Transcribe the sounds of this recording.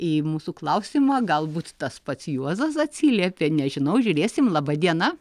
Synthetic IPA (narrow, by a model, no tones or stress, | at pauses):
imuːsuklˠɐʊsʲimɐɡɐlˠbuːt̪t̪ɐspɐt̪sjuɔzɐs̬ɐt̪ʲsʲiːlʲiɛpʲenʲɛʒʲɪnɐʊʒʲuɾʲeːsʲɪmlˠɑbɐd̪ʲiɛnɐ